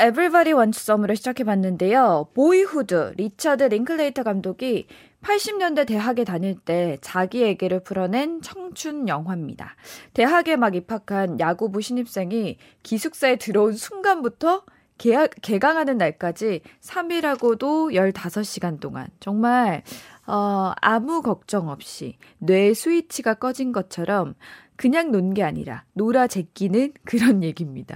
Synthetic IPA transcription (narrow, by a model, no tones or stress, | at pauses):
e̞bɯɭbaɾiwʌnt͡ɕʰu̥s͈ʌmɯɾoɕʰid͡ʑakʰe̞banːɯnde̞jopoihudɯ̰ɾit͡ɕʰadɯɾiŋkʰɯɭːeitʰʌɡamdoɡi | pʰaɭɕ͈imɲʌnde̞te̞ɦaɡe̞taɲiɭt͈e̞t͡ɕaɡie̞ɡeɾɯɭpʰuɾʌne̞nt͡ɕʰʌŋt͡ɕʰunjʌŋɦwamɲḭda̰te̞ɦaɡe̞maɡipʰakʰanjaɡubuɕʰiɲip̚s͈e̞ŋi | kisʰuk̚s͈ae̞tɯɾʌunsʰuŋɡanbutʰʌ | keke̞ɡaŋɦanɯnːaɭk͈ad͡ʑisʰamiɾɦaɡodojʌɭtasʰʌɕ͈iɡant͈oŋa̰nt͡ɕʌŋmaɭʌa̰mukʌk̚t͡ɕ͈ʌŋʌp̚ɕ͈ḭnwe̞sʰuit͡ɕʰiɡak͈ʌd͡ʑinɡʌt͡ɕʰʌɾʌmkɯɲaŋnonɡe̞aɲḭɾa̰noɾad͡ʑe̞k͈inɯnkɯɾʌnje̞ɡimɲid̥a̰